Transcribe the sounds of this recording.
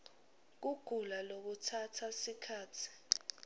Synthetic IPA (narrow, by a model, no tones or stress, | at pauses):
k̬uɡ̥ʱulalok̬utʰatʰasikʰaːtʰi̥